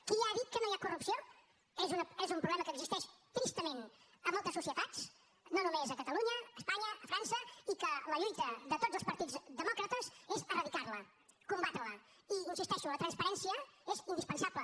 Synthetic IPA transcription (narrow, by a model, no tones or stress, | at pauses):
kiaðit̪̚kənoiakurupsio | ezunəezumpɾuβlɛməkəːɡzist̪ɛʃt̪ɾist̪əmenəmolˠt̪əsusiət̪at͡s | nonumezəkət̪əluɲəəːspaɲəːfɾansəikələʎujt̪əðət̪od͡zzəlˠspəɾt̪id͡zðəmɔkɾət̪əzezərəðikaɾlə | kumbat̪ələ | iinsist̪ɛʃulət̪ɾənspəɾɛnsiəezind̪ispənsablə